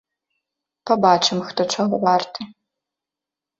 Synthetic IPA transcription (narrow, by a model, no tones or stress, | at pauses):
pɐbat͡ʂɨmxt̪ɔt͡ʂʰɔɣɔvart̪ʰɨ